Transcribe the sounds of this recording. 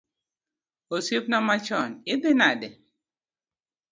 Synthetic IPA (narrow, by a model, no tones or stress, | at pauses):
osep̚nɔmat͡ʃɔnɪbɪnadɛ